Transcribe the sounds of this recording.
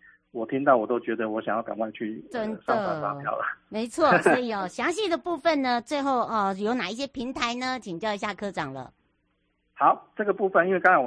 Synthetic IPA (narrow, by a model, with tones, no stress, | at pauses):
wɔ˨˩t̪ʰi˦˥ŋt̪̬ɑ˥˩ʊwɔ˨˩t̪o˥ʊt͡ɕɥɛ˧˥d̪ə˧wɔ˧˥ɕjŋjɑ˥˩ka˨˩nwa˥˧ɪt͡ɕʰy˥˩ə˦nsɑ˥ŋ˥sa̰˧˥jɑ̰˥˨˩ʊlə̰˩me˧˥ɪt͡sʰwɔ˥˩sɔ˧˥i˨˩ɔ˨˩ɕjɑ˧˥ŋɕ̬i˥˩d̪ə˩pu˥˧˩fə˨nnə˩t͡swe˥˧ɪxo˥˩ʊə˩jo˧˥ʊna˨˩i˥˩ɕ̬jɛ˥pʰi˧˥ŋt̪ʰa˧˥ɪnə˨˩t͡ɕʰi˨ŋt͡ɕjɑ˥˧ʊi˧˥ɕ̬ja˥˩kʰɤ˥ʈ͡ʂɑ̰˨˩ŋlə̰˦ | hɑ˨˦ʊʈ͡ʂɤ˥˩ɡə˩pu˥˧˩fə˨ni˥nwe˥˩˧kɑ˥ŋa˦˥w